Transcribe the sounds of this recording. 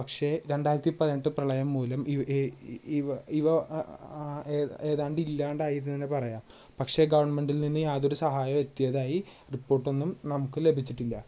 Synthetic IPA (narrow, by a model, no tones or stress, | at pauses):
pɐkʂe̞ɾe̞ɳɖaːjiɾɐt̪ːipɐðiʈːɨprɐɭɐjɐmːuːlɐmi | ɐiʋɐ | eːðaːɳɖɨilːaːɳɖaːjiɾnːɐðinːepɐrɐjaːm | pɐkʂe̞ɡɐʋɐɳme̞ɳɖilninːɨjaːðo̞ɾusɐɦaːjɐme̞t̪ːijɐðaːji | ripːo̞ːrʈːo̞nːumnɐmukːɨle̞bʱit͡ɕːiʈːilːɐ